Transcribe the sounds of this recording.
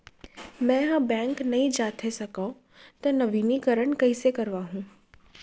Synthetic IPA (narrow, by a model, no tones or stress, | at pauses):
mɛ̃ːɦɐ̃bɛ̃ːŋknɐɦĩd͡ʒaːt̪ʰesɐkao | t̪ɐnɐʋiːnikɐɾəɽ̃kɐisekɐɾʋaːɦũː